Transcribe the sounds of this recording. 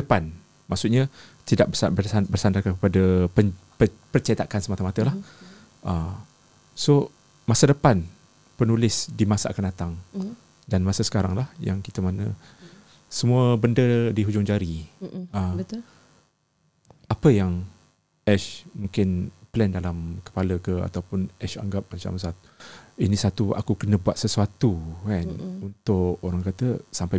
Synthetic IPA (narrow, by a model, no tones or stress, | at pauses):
dəpan | maʔsut̪ɲat̪idaʔbəbəbərsandakankəpadəə | pəpərt͡ʃet̪akansəmat̪əmat̪əlah | ʔə | so | masadəpan | pənulɪsdimasaʔakandat̪aŋ | danmasəsə̥kaɾaŋlahja̰ŋki̥t̪əmanə | səmuəbəndədiɦud͡ʒʊŋd͡ʒaɾiəə | apəjaŋ | ɛʃmuŋkɪnplɛndalamkə̥paləkəa̰t̪awpʊnʔɛʃa̰ŋɡap̚mat͡ʃa̰ms̬at̪u̥inisat̪ua̰kukənə̃buat̪̚səsuat̪ukanunt̪ʊʔoɾaŋkat̪əsampaj